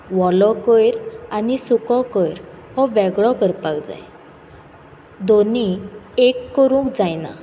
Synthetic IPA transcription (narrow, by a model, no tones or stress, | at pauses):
ʋɔlɔkɔjɾanisukɔ̃kəjɾ | hɔʋɛɡɭɔkəɾpakd͡za̰j | d̪oniekːəɾũːkd͡zajna̰